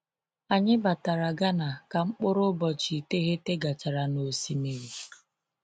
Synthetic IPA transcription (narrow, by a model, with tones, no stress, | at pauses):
a˨ɲɪ˦ba˨ta˨ɾa˨ɡa˦na˨ka˨ŋ͡m̩˦k͡pʊ˦ɾʊ˦bɔ˨t͡ʃi˨te˦ɣe˦te˦ɡa˨t͡ʃa˨ɾa˨no˨si˨me˨ɾi˨